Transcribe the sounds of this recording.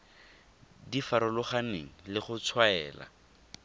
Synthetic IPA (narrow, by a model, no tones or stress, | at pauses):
difaɾʊlʊχaneŋ̩lɪχʊt͡sʰwaɛ̰ːla̰